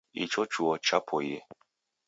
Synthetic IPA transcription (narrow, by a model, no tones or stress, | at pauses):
ḭt͡ʃɔt͡ʃuɔt͡ʃapʰɔje